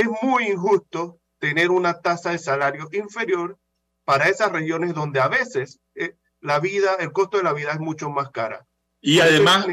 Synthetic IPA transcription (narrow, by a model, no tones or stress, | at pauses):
esmujiŋxust̪o | t̪e̞ne̞ɾunat̪asaðe̞salaɾjo̞ʔiɱfe̞ɾjo̞ɾ | paɾae̞sasre̞xjo̞ne̞zðo̞nd̪e̞aβe̞se̞s | e | laβiðae̞lko̞st̪oðe̞laβiðae̞zmut͡ʃo̞maskaɾa̰ | iaðema